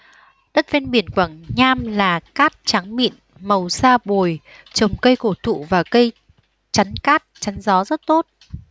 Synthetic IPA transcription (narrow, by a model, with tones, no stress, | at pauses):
ɗə˦˥t̚ve˧nɓi˧˩ənkwaː˧˩ŋɲaː˧mlaː˨˩kaː˦˥t̚t͡ɕa˨˦ŋmḭ˧˨n | mə˨˩wsaː˧ɓo˨˩j | t͡ɕə˨˩wŋ͡mkə˧jko˧˩t̪ʰṵ˧˨vaː˨˩kə˧j | t͡ɕa˨˦nkaː˦˥t̚t͡ɕa˨˦ŋzɔ˨˦zə˦˥t̚t̪o˦˥t̚